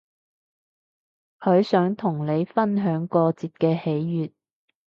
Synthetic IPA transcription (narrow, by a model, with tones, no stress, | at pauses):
hʰɵ˨˧ɥsœː˨˥ŋt̪ʰʊ˨˩ŋle˨˧jfɐ˥nɦœː˨˥ŋkɔː˧t͡siː˧t̚kɛː˧he˨˥jːyː˨t̚